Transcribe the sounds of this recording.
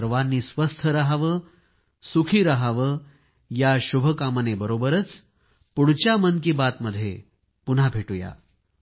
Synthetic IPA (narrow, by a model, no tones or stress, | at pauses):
ɾʋanːiːsʋəst̪ʰəɾəɦaʋə | sukʰiːɾəɦaʋə | jaɕubʱəkamənebəɾobəɾət͡s | puɽt͡ɕjamənkibat̪məd̪ʱːjḛ | pun̤abʱeʈuja̰